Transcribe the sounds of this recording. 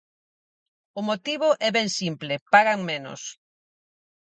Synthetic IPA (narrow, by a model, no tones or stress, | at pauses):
ʊmot̪iβʊʔɛβɛŋsimplɪpaɣaŋmenʊ̰s